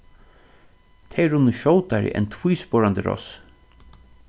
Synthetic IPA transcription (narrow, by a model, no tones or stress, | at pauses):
t̪ʰɛɾʊnːəʃɔwt̪aɹɪ̰ʔɛ̰nt̪ʰv̥ujspɔɹant̪əɾɔ̰s